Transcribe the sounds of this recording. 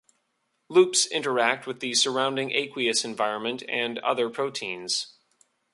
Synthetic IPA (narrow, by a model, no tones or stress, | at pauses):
lupsɪ̰̃ntə˞æk̚t̚wɨðɨsə˞ãʊ̃ndɪ̃ŋʔḛɪkwiɨsɨ̃ɱvaɪɹə̃nmɨ̃ntɨ̃nʌ̰ðə˞pʰɹ̥oʊtʰĩnz̥